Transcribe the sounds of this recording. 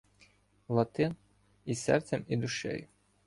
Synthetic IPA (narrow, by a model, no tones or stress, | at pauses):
lˠɐt̪ɪ | isɛ̰rt̪sʲɛmid̪ʊʃɛ̰j